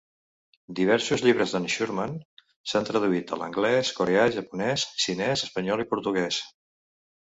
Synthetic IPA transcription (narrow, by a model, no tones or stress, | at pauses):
d̪iβ̞ɛɾsuzʎiβ̞ɾəzðənʃuɾman | sant̪ɾəðuit̪ə̰lə̰ŋɡlɛskoɾeaʒəpunɛssinɛzəspəɲɔlˠipuɾt̪uɣɛs